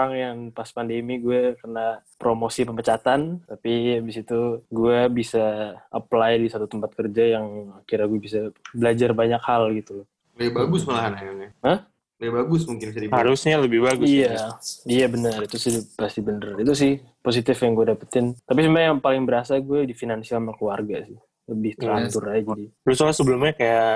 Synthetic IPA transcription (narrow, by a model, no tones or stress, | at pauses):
oɾaŋjaŋpaspandemiɡuɛkərnapɾomosipəmpət͡ʃat̪ant̪apijabisit̪uɡuɛbisaʔəplajdisat̪ut̪əmpat̪̚kərd͡ʒajaŋakirɲaɡuabisabəlad͡ʒarbaɲakhalɡit̪ulɔ | lɛbaɡʊsməlaɦanakaaəh | abaɡʊsmuŋkɪnbisadihaɾʊsɲaləbɪhbaɡʊsijaijabənərit̪usihdpast̪ibənərit̪us̬ɪh | pos̬it̪ɪfjaŋɡuadapət̪ɪnt̪apisumajaŋpalɪŋbəɾasaɡuɛdifinansialmakuwarɡasɪh | ləbɪht̪əɾlant̪ʊrad͡ʒibəlusalasəbəlʊmɲakaja